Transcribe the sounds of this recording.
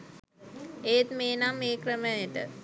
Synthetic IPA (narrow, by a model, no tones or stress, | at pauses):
eːt̪meːnamːeːkɾəməjeʈə̰